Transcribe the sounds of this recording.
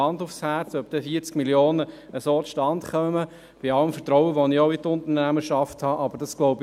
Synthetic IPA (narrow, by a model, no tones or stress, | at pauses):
ɑndʊfshæɾt͡sœp̚d̥ɛfiːt͡skmiljoːnə | əsoːʃtɑnt̪χœmə | b̥iɑləmfətɾɔʊəʋɔnioʊit̪ʊnt̪ənæməʃɑfthɑːʔɑb̥əɾd̥ɑsɡ̥lɔʊb